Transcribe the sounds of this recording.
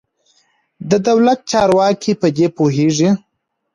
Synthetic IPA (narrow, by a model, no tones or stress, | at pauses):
d̪əd̪awlat̪̚t͡ʃɑɾwɑkʰipəd̪epoɦeʐi